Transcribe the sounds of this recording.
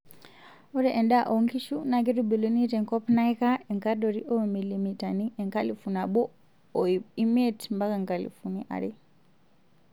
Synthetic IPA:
ɔɾɛʔɛndaʔɔŋkiʃunaɡɛɾubilunitɛŋkɔpnajkaɛŋkadɔɾiʔɔmilimitaniʔɛŋkalifunabɔː | imetmbakaŋkalḭfuniʔa̰ɾi

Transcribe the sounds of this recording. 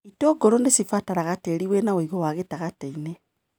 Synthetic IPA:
itɔɡɔɾondesifataɾaɣateɾiwenaweiɣowaɣetaɣateine

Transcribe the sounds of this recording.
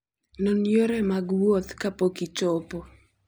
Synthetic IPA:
nonjoɾɛmaɡwot̪kapokit͡ʃopo

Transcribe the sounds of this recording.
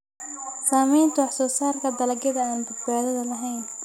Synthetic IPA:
saːmɛjnt̪ʰʊɑħsɔːsaːrkʰɐd̪ɐlɐɡɐðɐaːnbʊd̪̚baːðɐðɐlɐɦɛjn

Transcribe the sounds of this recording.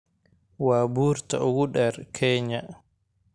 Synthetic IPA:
waːbuːɾta̰ɔwuɗɛɾkʰɛːɲa

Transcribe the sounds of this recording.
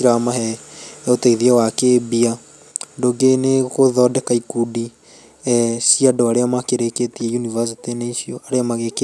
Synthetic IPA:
iɾamaɦɛotɛiðiɛwakebia | doɡenekoðɔdɛkaikudi | ɛsiadoaɾeamakeɾeketiɛjunivas̬itineisioʔaɾeamaɣeke

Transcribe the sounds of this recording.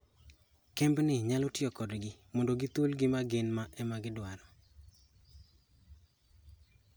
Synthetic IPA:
kembnɪɲalɔtɪɔkɔdɡɪmɔndoɡit̪olɡɪmaɡenmaʔɛmaɡɪdwaɾɔ

